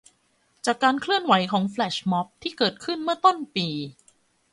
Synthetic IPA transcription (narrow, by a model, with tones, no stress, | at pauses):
t͡ɕaː˨˩kːaː˧nkʰlɯ˥˩ənwa˨˩˦jkʰɔː˩˦ŋflɛː˨˩ɕmɔ˦˥p̚t̪ʰiː˥˩kɤː˨˩t̪̚kʰɯ˥˩nmɯ˥˩ɐt̪o˥˩npiː˧